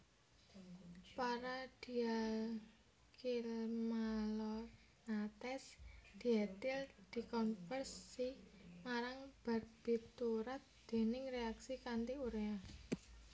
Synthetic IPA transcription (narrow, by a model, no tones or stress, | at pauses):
paɾad̪̥i̤al | kilmalɔ | nat̪ɛsd̪̥i̤at̪ɪld̪̥i̤kɔnfərsimaɾaŋb̥a̤t̪̚b̥i̤t̪uɾat̪̚d̪̥e̤nɪŋreaksikant̪iuɾea